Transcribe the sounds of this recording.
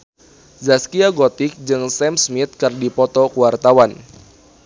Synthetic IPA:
zaskiaɡɔt̪ik̚d͡ʒɨŋsɛmsmit̪̚kɨrdipɔt̪ɔkuwart̪awan

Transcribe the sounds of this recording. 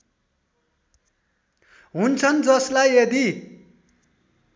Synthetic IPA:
ɦunt͡sʰʌnd͡zʌslajed̪i

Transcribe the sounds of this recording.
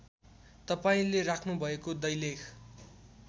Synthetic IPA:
t̪ʌpaĩlerakʰnubʱʌekod̪ʌjlekʰ

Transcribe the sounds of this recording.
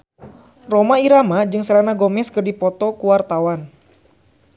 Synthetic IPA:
romaiɾamad͡ʒɨŋsəlanaɡɔmɛskɨrdipɔt̪ɔkuwart̪awan

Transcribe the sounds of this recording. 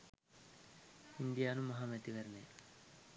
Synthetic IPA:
ind̪ijaːnumɐɦaːmet̪iʋɐɾne

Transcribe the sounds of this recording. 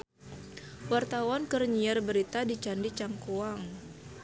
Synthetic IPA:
wart̪awankərɲiarbəɾit̪adit͡ʃandit͡ʃaŋkoaŋ

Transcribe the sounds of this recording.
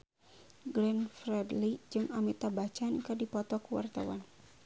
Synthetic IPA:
ɡlɛnfrɛdlid͡ʒɨŋamit̪abat͡ʃankadipɔt̪ɔkuwa̰rt̪awan

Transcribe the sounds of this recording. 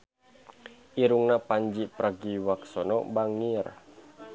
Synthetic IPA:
ʔiɾuŋnapaɲd͡ʒipɾaɡiwaksɔnɔ̰baŋir

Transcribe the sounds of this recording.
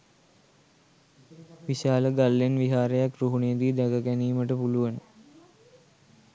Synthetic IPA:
ʋiʃaːləɡalːenʋiɦaːɾəjakɾuɦunejəd̪iːd̪æɡəkæniːməʈəpuluʋənə

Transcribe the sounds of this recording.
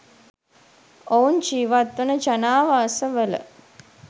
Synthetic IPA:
ount͡ʃiːʋat̪ːunəd͡ʒanaːʋasəʋələ̰

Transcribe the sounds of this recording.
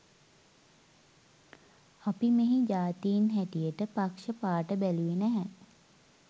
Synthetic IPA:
apimeɦid͡ʒaːt̪ijinɦæʈijəʈəpakʂəpaːʈəbæluenæɦɛ

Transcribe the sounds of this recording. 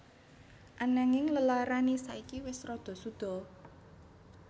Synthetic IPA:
ʔanaŋɪŋləlaɾanisaikiwɪsrɔd̪̥ɔ̤sud̪̥ɔ̤

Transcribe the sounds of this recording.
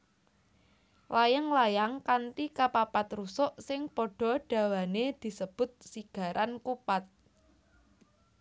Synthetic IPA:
lajaŋlajaŋkant̪ikapapat̪rusʊʔsɪŋpɔɖ̥ɔ̤ɖ̥ä̤waned̪̥i̤səb̥ʊ̤t̪̚siɡ̥ä̤ɾʔankupat̪̚

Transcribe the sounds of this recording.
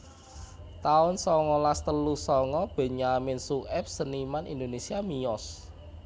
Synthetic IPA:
t̪aʊnsɔŋɔlast̪əlusɔŋɔb̥e̤ɲamɪnsuʔɛp̚sənimanḭnd̪onesiamijɔs

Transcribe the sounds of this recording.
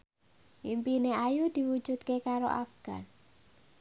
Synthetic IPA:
ʔimpineajud̪̥iwu̥d͡ʒ̥ut̪̚kekaɾo̰ʔa̰fɡ̥a̰n

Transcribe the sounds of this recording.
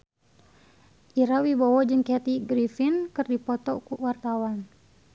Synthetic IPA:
ʔiɾawibawɔd͡ʒɨŋkɛt̪iɡɾifinkɨrdipɔt̪ɔkuwart̪awan

